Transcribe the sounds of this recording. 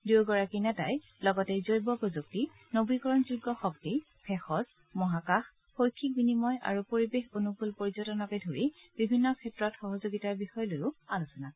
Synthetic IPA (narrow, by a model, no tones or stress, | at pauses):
duwɡɔɹakinata̰j | lɔɡɔtɛzojbɔpɹozuk̚ti | nobikɔɹɔnzuɡːɔxɔkti | pʰɛxɔz | mɔɦakax | pojkʰːik̚binimɔjʔa̰ɹupoɹibexonupulpoɹizɔtɔnɔkɛdʱoɹi | bibʱinːɔkʰɛtɹɔtxɔɦɔzoɡitaɹbixɔjɔlojʊalusɔna